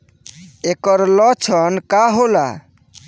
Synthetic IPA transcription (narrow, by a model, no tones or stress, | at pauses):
ekɔɾlɔt͡ʃʰɔnkaɦola̰